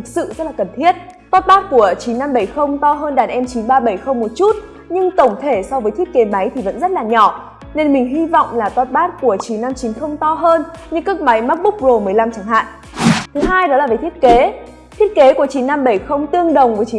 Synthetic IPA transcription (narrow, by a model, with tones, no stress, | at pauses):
ɨ˨˩k̚sɨ̰˧˨zə˦˥t̚laː˨˩kə˨˩nt̪ʰi˦˥ət̚ | t̪ɔ˦˥t̚ɓaː˦˥t̚ku˧˩ət͡ɕi˨˦nːa˧mɓə˧˩jxə˧wŋ͡mt̪ɔ˧ɦəː˧nɗaː˨˩nʔɛ˧mt͡ɕi˨˦nɓaː˧ɓə˧˩jxə˧wŋ͡mmo˨˩t̚t͡ɕu˦˥t̚ | ɲɨ˧ŋt̪ə˧˩wŋ͡mt̪ʰe˧˩sɔ˧vəː˨˦t̪ʰi˦˥ət̚ke˨˦ma˨˦jt̪ʰi˨˩və̰˧˥nzə˦˥t̚laː˨˩ɲɔ˧˩ | ne˧nmï˨˩ŋ̟ɦi˧vɔ̰˧˨wŋ͡mlaː˨˩t̪ɔ˦˥t̚ɓaː˦˥t̚ku˧˩ət͡ɕi˨˦nːa˧mt͡ɕi˨˦nxə˧wŋ͡mt̪ɔ˧ɦəː˧nɲɨ˧ŋkɨ˦˥ək̚ma˨˦jma˦˥k̚ɓʊ˦˥k͡p̚zo˨˩mɨ˨˩əjla˧mt͡ɕaː˧˩ŋɦa̰ː˧˨n | t̪ʰɨ˨˦ɦaː˧jɗɔ˨˦laː˨˩vəː˨˦jt̪ʰi˦˥ət̚ke˨˦ | t̪ʰi˦˥ət̚ke˨˦ku˧˩ət͡ɕi˨˦nːa˧mɓə˧˩jxə˧wŋ͡mt̪ɨ˧əŋɗə˨˩wŋ͡mvt͡ɕi˨˦